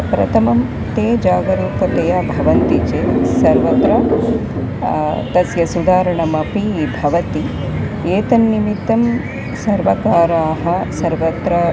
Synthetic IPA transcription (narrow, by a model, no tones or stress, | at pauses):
pɾɐ̰t̪ʰɐmɐm | t̪eːd͡ʒaːɡɐɾiːkɐt̪ɐjaːbʱɐʋɐnt̪it͡ʃeːsɐɾʋɐt̪ɾɐ | t̪ɐsjɐsud̪ʱaːɾɐɳɐmɐpibʱɐʋɐt̪i | eːt̪ɐnːimit̪ːɐm | sɐɾʋɐkaːɾaːɦɐsɐɾʋɐt̪ɾɐ